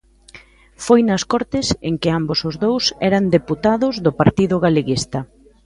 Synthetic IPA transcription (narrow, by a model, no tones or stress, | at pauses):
fojnɐskɔɾt̪ɪseŋkɪambosʊzðowsɛɾɐnd̪eput̪aðʊzðʊpaɾt̪iðʊɣaleɣist̪ɐ